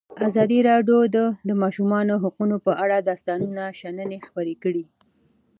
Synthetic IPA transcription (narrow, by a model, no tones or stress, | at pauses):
azɑd̪iɾɑɖjod̪əd̪əmɑʃumɑnoɦaqunopəʔaɽad̪ɑst̪ɑnunaʃanənexpəɾekəɽi